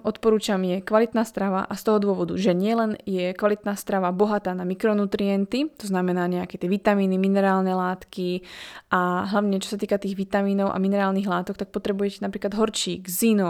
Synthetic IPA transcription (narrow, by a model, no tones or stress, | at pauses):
ʔɔt̪pɔɾuːt͡ʃamjɛkʋalit̪naːst̪ɾaʋa̰ʔast̪ɔɦɔd̪ʊɔʋɔd̪ṵʒɛɲɪɛlɛnjɛkʋalit̪naːst̪ɾaʋabɔɦat̪aːnamikɾɔnut̪ɾiɛnt̪it̪ɔznamɛnaːɲɛakɛt̪ɪɛʋit̪amiːniminɛɾaːlnɛlaːt̪kiʔaɦlaʋɲɛt͡ʃɔ̥sat̪iːkat̪iːɣʋit̪amiːnɔʊʔa̰minɛɾaːlniɣlaːt̪ɔkt̪ak̚pɔt̪ɾɛbujɛcɛnapɾiːklad̪ɦɔɾt͡ʃiːɡzinɔ